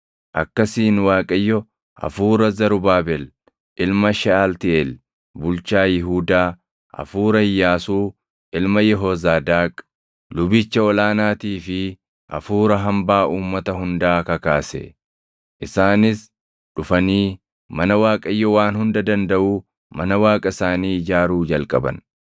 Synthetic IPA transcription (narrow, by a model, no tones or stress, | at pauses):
ʔɐkːɐsiːnwaːkʼɐjːɔ | ʔɐ̰fuːɾɐzɐɾʊbaːbɛl | ʔɪlmɐʃɛalt̪ɪɛl | bʊlt͡ʃaːjɪɦuːd̪aː | ʔɐ̰fuːɾɐhɪjːaːsuː | ʔɪlmɐjɛɦɔzaːd̪aːkʼ | lʊbɪt͡ʃːɐɔlaːnaːt̪iːfɪ | ʔɐ̰fuːɾɐɦɐmbaːʔuːmːɐt̪ɐɦʊnd̪aːkɐkaːsɛ̰ | ʔɪsaːnɪs | ᶑʊfɐniː | mɐnɐwaːkʼɐjːɔwaːnhʊnd̪ɐd̪ɐnd̪ɐʔuː | mɐnɐwaːkʼɐɪsaːniːd͡ʒaːɾuːd͡ʒɐlkʼɐbɐ̰n